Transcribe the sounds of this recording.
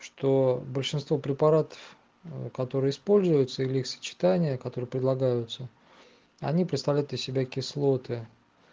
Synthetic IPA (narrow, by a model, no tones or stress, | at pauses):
ʂt̪obəlʲʂɨnst̪vopɾʲɪpaɾat̪ə̥f | kɐt̪o̞ɾɨəɪspo̞lʲzʊjʊt̪səilʲɪixsə̥t͡ɕɪ̥t̪anʲɪjəkɐt̪o̞ɾɨəpɾʲɪd̪lˠɐɡajʊt̪sə | ɐ̰nʲipɾʲɪt̪st̪ɐvlʲæjt̪ʲəsʲɪbʲakʲɪslˠo̞t̪ɨ